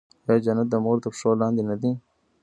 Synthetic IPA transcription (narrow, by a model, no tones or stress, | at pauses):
jɑd͡ʒanɐt̪̚d̪əmoːɾt̪apʂoːlɑ̃ːnd̪inad̪i